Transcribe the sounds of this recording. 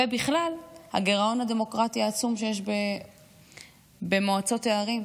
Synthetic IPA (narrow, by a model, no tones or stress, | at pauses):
ebiχlalha̰ɡe̞ʁao̞nhade̞mo̞kʁatiaːt͡sumʃe̞jeʃbe | be̞moat͡so̞teaʁim